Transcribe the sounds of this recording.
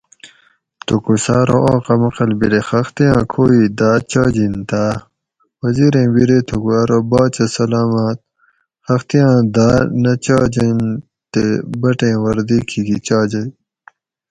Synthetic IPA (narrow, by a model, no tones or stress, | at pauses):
t̪ukusaːɾoʔaːqɐmɐqɐlbiɾexɐxt̪ijãːkʰoːid̪aːt͡ɕaːd͡ʑint̪a | wɐziːɾẽːwiɾet̪ʰukuaːɾobaːt͡ɕɐsɐlaːmɐt̪̚ | xɐxt̪ijãːd̪aːnɐt͡ɕaːd͡ʑen | t̪ebɐʈẽːwɐɾd̪iːkʰiɡit͡ɕaːd͡ʑɐj